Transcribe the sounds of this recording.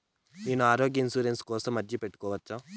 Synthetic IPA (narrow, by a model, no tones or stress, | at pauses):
neːnuaːɾoːɡjɐinsuːɾenskɔːsɐmːɐd͡ʒːipe̞ʈːukɔːʋɐt͡ʃːa